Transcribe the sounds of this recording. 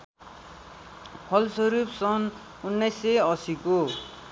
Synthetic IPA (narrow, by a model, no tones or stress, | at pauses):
pʰʌlsʌɾupsʌn | unːʌjseʌsiko